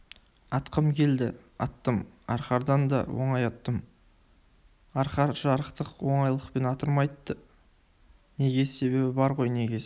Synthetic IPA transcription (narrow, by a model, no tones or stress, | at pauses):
ɑt̪qəmkʲʰe̞ld̪ɪ | ɑ̰t̪ːəmɑ̰ɾχɑɾd̪ɑnd̪ɑ̰wo̰ɴɑjɑt̪ːəm | ɑɾχɑɾʒɑɾəqt̪əqwo̞ɴɑjlˠəqpe̞nɑt̪əɾmɑjt̪ːə | ne̞ɡʲe̞se̞be̞bɪbɑɾʁo̞jne̞ɡʲe̞